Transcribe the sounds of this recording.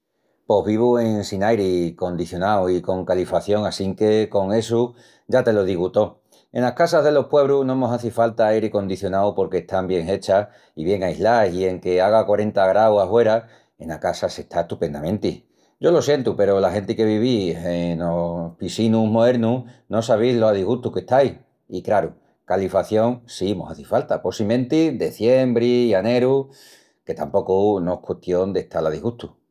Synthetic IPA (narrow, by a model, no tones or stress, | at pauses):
po̞ɦβiβ̞ue̞ŋnsinajɾiko̞nd̪iθjo̞nawiko̞ŋkalifaθjo̞ŋasiŋke̞ko̞ŋe̞su | ʝat̪e̞lo̞ð̞iɣut̪o̞ | e̞̰nahkasaɦð̞e̞lo̞hpwe̞β̞ɾunomo̞saθifalt̪aajɾiko̞nd̪iθjo̞nawpo̞ɾke̞ːht̪ambje̞ŋe̞t͡ʃa | iβje̞ŋaiɦlajsie̞ŋke̞aɣ̞akwaɾe̞nt̪aɣɾawahwe̞ɾa | e̞nakasase̞ht̪ʰaeht̪upe̞nd̪amẽ̞nt̪i | ɟ͡ʝo̞lo̞sje̞nt̪upe̞ɾo̞lahe̞nt̪ike̞β̞iβienopisinumo̞ðe̞ɾnuno̞saβ̞ilo̞saðiɣuht̪uke̞ht̪aj | ikɾaɾu | kalifaθjo̞ŋsimo̰haθifalt̪apo̞simẽ̞nt̪id̪e̞θje̞mbɾiiane̞ɾu | ke̞t̪ampo̞kunoekweht̪jo̞nd̪e̞ht̪alaðḭɣuht̪u̥